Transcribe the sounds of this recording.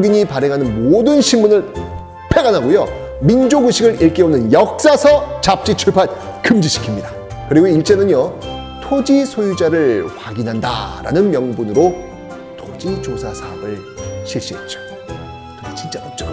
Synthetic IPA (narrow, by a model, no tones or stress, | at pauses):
ɡiɲipaɾeŋɦanɯnmodɯnɕʰimunɯɭ | pʰeɡanɦaɡojo | mind͡ʑoɡuɕʰiɡɯɾiɭk͈eonɯnjʌk̚s͈asʰʌt͡ɕap̚t͡ɕ͈it͡ɕʰuɭpʰat̚ | kɯmd͡ʑiɕʰi̥kʰimɲida | kɯɾiɡoiɭt͡ɕ͈e̞nɯnjʌ | tʰod͡ʑisʰojud͡ʑaɾɯɭɸwaɡinɦanda̰ɾa̰nɯnmjʌŋbunɯɾo | tʰod͡ʑid͡ʑosʰasʰaʌbɯɭ | ɕʰiɭɕ͈iɦet̚t͡ɕ͈o̥ | kɯnet͡ɕint͡ɕ͈amʌt͡ɕ͈o